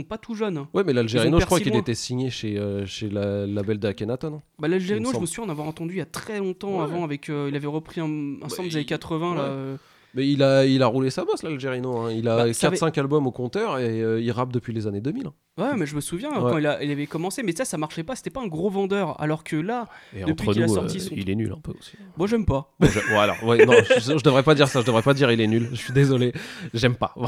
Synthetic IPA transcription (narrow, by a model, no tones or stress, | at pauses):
pat̪uʒœnwɛmɛlalʒeʁinoəkχwakilet̪ɛsiɲeʃeøʃelalabɛld̪əkʲanat̪ɔnɛ̃balalʒeʁinoʒəməsuvjɛ̃navwaʁɑ̃t̪ɑ̃d̪yjat̪χɛlɔ̃t̪ɑ̃avɑ̃avɛkøilavɛʁəpχiɛ̃ɛ̃sɑ̃mbld̪ezanekat̪χəvɛ̃laø | mɛilailaʁulesabɔslalʒeʁinoɛ̃ilaakatvɛsɛ̃kalbɔmokɔ̃t̪œʁeøilʁap̚d̪əpɥilezaned̪əmilɛ̃ | wɛmɛʒəməsuvjɛ̃wkɛɑ̃ilailavɛkɔmɑ̃semɛsasamaʁʃɛpase̥t̪ɛpaɛ̃ɡʁovɑ̃d̪œːʁa̰lɔʁkʰəlaeɑd̪ə̃p̪ɥiχənulassɔʁisilɛny̰lɛ̰̃pø̰o̰si̥bɔ̃ʒɛmpamʒəwɛalɔ̰ʁwɛnɔ̃ʒəʒəd̪əvʁɛpad̪iʁsaʒəd̪əvʁɛpad̪iʁilɛnylʒəsɥid̪ezɔleʒɛmpav